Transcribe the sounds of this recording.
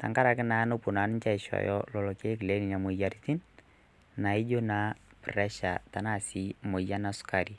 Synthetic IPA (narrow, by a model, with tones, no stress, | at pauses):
ta̰˨ŋka˦ɾa˨kɪ˦na˨˦no˦pʊ˨na˨˦n˦t͡ʃa˦˨ɪ˨ʃɔ̰˨jɔ̰˦lɔ˨lɔ˨ke˦kɪ˨le˦ni˨na˨mo˨ja˨ɾiti˦n | na˨ɪ˦d͡ʒo˦na˨˦prɛ˦ʃa˨ta˨na˦˨si˨˦mo˨ja˦na˨sʊ̥˦ka˨ɾi˨